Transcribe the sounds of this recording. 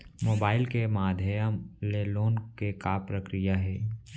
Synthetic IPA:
moːbaːɪlkemaːd̪ʱəjəmleːloːnkekaːpɾəkɾijaɦɛː

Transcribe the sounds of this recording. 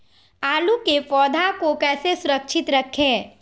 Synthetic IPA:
aːlukepɔːd̪ʱakokɛːsesʊɾəkʃʰɪt̪ɾɐkʰẽː

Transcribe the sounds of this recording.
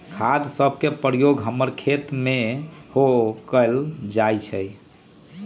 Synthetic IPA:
kʰad̪səb̚ʱkepɾjoɡɦəmːəɾkʰet̪mehokəld͡ʒajt͡ʃʰəj

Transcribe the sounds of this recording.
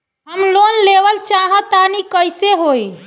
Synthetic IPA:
ɦəmlonleʋəlt͡ʃaɦə̃t̪anikəjseɦoj

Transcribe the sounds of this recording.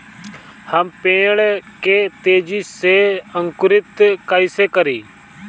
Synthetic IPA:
həmpẽːɽkeːt̪eːd͡ʒiːseːəŋkʊɾɪt̪kaːiːseːkəɾiː

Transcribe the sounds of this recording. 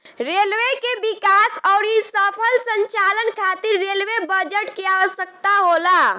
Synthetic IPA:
ɾelʋekebikasɔʊɾisəpʰəlsəɲt͡ʃalənkʰat̪iɾːelʋebəd͡ʒəʈkeaʋəsjək̚t̪aɦola

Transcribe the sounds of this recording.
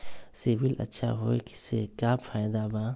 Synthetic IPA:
siʋɪlɐ̰tːʃʰa̰ɦoːḛki̥sekaːfʰaːjd̪abãː

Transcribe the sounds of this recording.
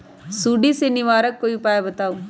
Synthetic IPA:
suːɖisenɪʋaːɾəkːoːiʊpaːjabɐt̪aːu

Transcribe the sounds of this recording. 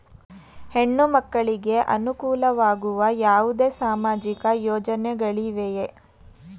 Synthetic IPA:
he̞ɳːumɐkːɐɭiɡe̞ʔɐ̰nukuːlɐʋaːɡuʋɐjaːʋud̪eːsaːmaːd͡ʒikɐjoːd͡ʒɐnɛɡɐɭiʋeje

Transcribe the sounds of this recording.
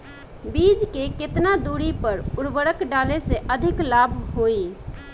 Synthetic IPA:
bid͡ʒkeket̪nad̪uɾipəɾuɾbəɾəkɖaleseʔəd̪ʱiklabʱɦoi

